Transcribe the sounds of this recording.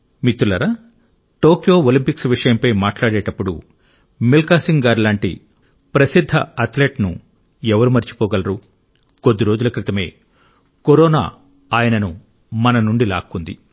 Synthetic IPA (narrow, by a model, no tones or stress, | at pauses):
mit̪ːɾulɐɾɐ | ʈoːkjo̞ːolimpiksʋiʂɐjɐmpɐjmaːʈlaːɽɛːʈɐpːuɽṵ | milkaːsiŋɡaːɾlaːɳʈḭ | pɾɐsid̪ʱːɐ̰ɐt̪leːʈnṵ | ɛʋɐɾumɐɾt͡ʃi̥kɔːɡɐlɐɾu | ko̞d̪ːiɾo̞ːd͡ʒulɐkɾit̪ɐme̞̰ː | koɾɔːna̰ː | aːjɐnɐnu | mɐnɐnuɳɖila̰ːkːund̪ḭ